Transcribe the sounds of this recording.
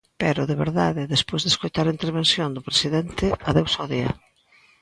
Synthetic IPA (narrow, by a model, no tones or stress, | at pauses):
pɛɾʊðeβḛɾðaðɪðespojzðeskojt̪aɾint̪eɾβensjond̪ʊpɾesiðent̪ɪaðewsɔðiɐ̰